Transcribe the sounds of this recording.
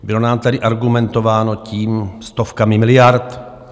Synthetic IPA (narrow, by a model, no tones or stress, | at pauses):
bɪlo̞naːmt̪adɪʔaɾɡumɛnt̪o̞vaːno̞ciːmst̪ofkamɪmɪlɪjaɾt̪